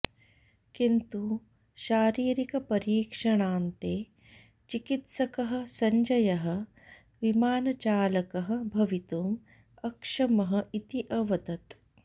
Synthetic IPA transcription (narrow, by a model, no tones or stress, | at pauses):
kint̪u | ʃaːɾiːɾikɐpɐɾiːkʂɐɳaːnt̪eː | t͡ʃikit̪sɐkɐɦɐ̆sɐɲd͡ʒɐjɐɦɐ̆ | ʋimaːnɐt͡ʃaːlɐkɐɦɐ̆bʱɐʋit̪oːm | ɐkʂɐmɐɦɐ̆ʔit̪iʔɐʋɐd̪ɐt̪